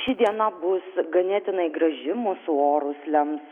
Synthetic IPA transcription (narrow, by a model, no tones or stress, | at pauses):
ʃʲɪd̪ʲiɛnɐbʊsɡɐnʲeːt̪ʲɪnɐɪɡɾɐʒʲɪmʊsʊoːɾʊslʲɛms